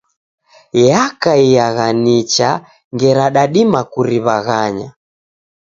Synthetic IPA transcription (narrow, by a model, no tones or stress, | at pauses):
jakaijaɣanit͡ʃa | ŋɡɛɾaɗaɗimakuɾiβaɣaɲa̰